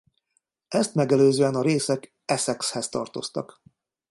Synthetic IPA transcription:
ɛst̪mɛɡɛløːzøːɛnɒɾeːsɛk | ɛsɛkshɛst̪ɒ̰rt̪o̞st̪ɒk

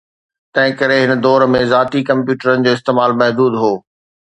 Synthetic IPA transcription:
t̪ɐ̃ɦɪ̃kɐɾeɦɪnəd̪ɔːɾmẽzaːt̪ikɐ̃mpjuːʈəɾənɪ̆d͡ʑoːɪs̬t̪eːmaːlmɐɦd̪uːd̪ɦoː

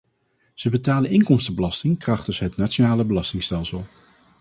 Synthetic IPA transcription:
z̥əbətaːlənʔɪŋkɔmstəbəlɑstɪŋkrɑχtəsɦətnaːt͡ʃonaːləbəlɑstɪŋstɛlˠsəlˠ

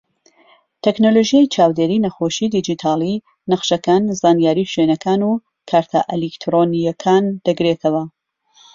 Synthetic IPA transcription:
t̪ʰeknoloʒijejt͡ʃʰaːwd̪eːɾinɐxoʃid̪id͡ʒit̪ʰaːlˠi | nɐqʃɐkaːnzaːnjaːɾiʃwenɐkʰaːnu | kʰaɾt̪ʰa̰ʔelikt̪ʰɾonijɐkʰaːnd̪̥ɐɡɾet̪ʰɐwɐ

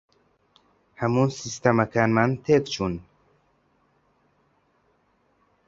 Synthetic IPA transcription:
hamunsist̪ʰamakʰanmant̪ʰeːkt͡ʃʰun

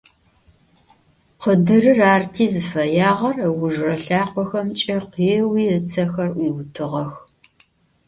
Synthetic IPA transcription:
qədɨrɨraːrtʰiːzɨfɐjaːʁɐrɐwʊʒrɐɬaːqʷɔxɐmt͡ʃʼɐqiɛwiːɨt͡sʰɐxɐriwʊtʰɨʁɐx

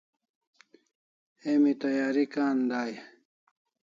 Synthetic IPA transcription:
eːmit̪ɐjaːɾikaːnd̪aːja

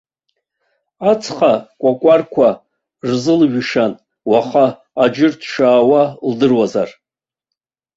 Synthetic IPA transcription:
at͡sʰχakʷʼakʷʼarkʷʰa | rzɨlʒᶣʂan | waχaː | d͡ʒɪrtʰʂaːwaldɨrwazar

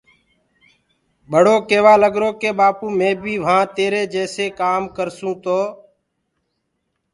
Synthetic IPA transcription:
bʱəɽoːkeːʋaːləɡɾoːkeːɓaːpũːmẽːbʱiːʋ̤ãːt̪eːɾeːd͡ʒɛːseːkaːmkəɾsũːt̪oː

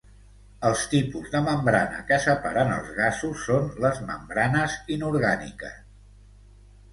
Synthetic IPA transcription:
əlˠst̪ipuzðəməmbɾanə̰kəsəpa̰ɾənə̰lˠzɣasusːonləzmə̰mbɾanəzinuɾɣanḭkə̰s

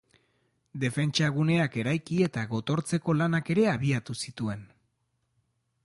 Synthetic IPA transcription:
d̪e̞fe̞nt͡ʃaɣ̞une̞ake̞ɾajkie̞t̪aɣo̞t̪o̞ɾt͡se̞ko̞lanake̞ɾe̞aβiat̪usit̪ue̞n

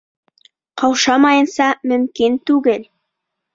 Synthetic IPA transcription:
qʰɑwʃɑmɑjɤnsɑmɵ̆mkint̪ʉɡɘl

